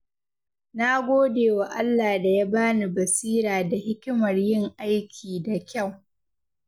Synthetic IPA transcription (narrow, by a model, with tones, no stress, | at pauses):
na˦ɡʷoː˦deː˨wa˨ʔa˦lːaː˨da˨ja˦baː˦ni˨bɐ˨siː˦ɾaː˨da˨hɪ˦kʲɪ˦mɐ˨rjɪ˦˨ŋʔa˦jkʲʰiː˨da˨kʲa˦˨w